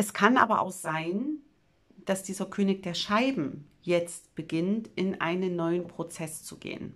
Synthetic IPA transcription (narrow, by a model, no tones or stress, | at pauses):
ʔɛskʰanʔa̰ːbɐʔa̰ʊxz̥aɪn | d̥asd̥iːzɐkʰøːnɪk̚d̥eːɐʃaɪbm̩ | jɛt͡stb̥əɡɪntʔɪnʔa̰ɪnənːɔʏənpʁ̥ot͡sɛst͡suɡḛːən